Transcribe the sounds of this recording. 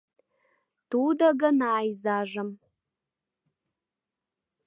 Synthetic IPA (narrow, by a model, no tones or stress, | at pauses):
tuːdɐɡɐnaːjzaːʐɐm